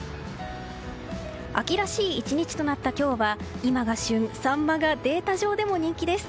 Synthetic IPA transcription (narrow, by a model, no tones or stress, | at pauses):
akʲiɾaɕiːt͡ɕiɲ̟it͡ɕi̥t̪o̞nat̪ːakʲo̞ːβa | imaɡaɕɨ̃ɴ̃sãmːaɡad̪e̞ːt̪aʑo̞ːd̪e̞mo̞ɲ̟ĩŋkʲid̪e̞sɨ̥